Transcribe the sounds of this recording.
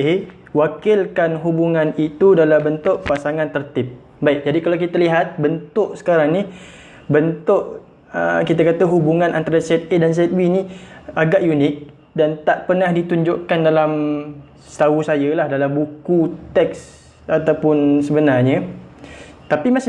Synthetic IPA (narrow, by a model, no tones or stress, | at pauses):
e | wakɪlkanɦubuŋãnit̪udalabənt̪ʊʔpasaŋãnt̪ərt̪ɪp̚ | baɪk̚d͡ʒadikalawk̬it̪aliɦat̪̚bənt̪ʊʔsə̥kaɾaŋni | bənt̪ʊʔ | əkit̪akat̪aɦubuŋãnʔant̪aɾasɛt̪̚edans̬ɛt̪̚winiaɡaʔjunɪk̚ | dant̪aʔpərnahdit̪uɲd͡ʒʊʔkandalam | st̪ausajəlahdalambukut̪ɛk̚s | at̪awpʊnsəbənarɲə | t̪apimasɪ